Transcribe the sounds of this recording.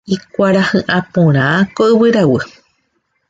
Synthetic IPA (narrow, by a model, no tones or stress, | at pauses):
ikʷaɾahɨ̃ʔãpõɾ̃ãkoʔɨβɨɾawɨ